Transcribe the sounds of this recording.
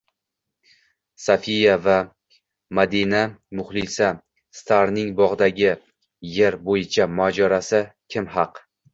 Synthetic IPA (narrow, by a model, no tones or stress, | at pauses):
safijava | mad̪inamʊχlˠɪsa | st̪ʰaɾnɪŋbɒʁd̪aɡʲɪ | jeɾbojɪt͡ʃʰamad͡ʒɒɾasɪkʲʰɪmɦɑq